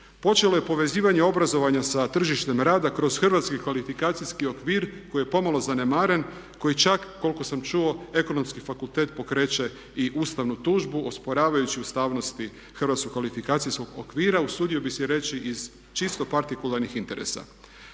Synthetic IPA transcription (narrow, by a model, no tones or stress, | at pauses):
po̞t͡ʃe̞lo̞jepoʋe̞ziːʋaɲe̞o̞bɾazo̞ʋaɲasat̪r̩ʒiʃt̪e̞mɾaːd̪akɾo̞z̥xr̩ʋat̪skikʋalifikaːt̪sijskio̞kʋiːɾko̞jije̞po̞malo̞zanemaːɾe̞n | ko̞jit͡ʃakːo̞lko̞samt͡ʃuo̞e̞ko̞no̞mskifakulˠt̪et̪po̞kɾe̞ːt͡ɕe | iʔuːst̪aʋnut̪uːʒbuospo̞ɾaːʋajut͡ɕiust̪aːʋno̞st̪i | xrʋat̪skokʋalifikaːt̪sijsko̞ɡo̰kʋiːɾausuːd̪io̞bixseɾe̞t͡ɕiʔiz̥ | t͡ʃist̪o̞paɾt̪ikulˠaɾnixint̪e̞ɾḛsa̰